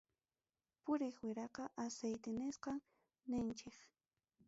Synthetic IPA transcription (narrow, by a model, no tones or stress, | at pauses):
pʊɾɪχwɪɾɑqɑʔasajt̪ɪnɪsqɑŋ | nɪnt͡ʃɪk